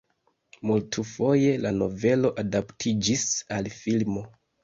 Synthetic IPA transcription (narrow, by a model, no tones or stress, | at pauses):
multʰufo̞je̞lano̞ve̞lo̞ʔadaptʰid͡ʒisalfilmo̞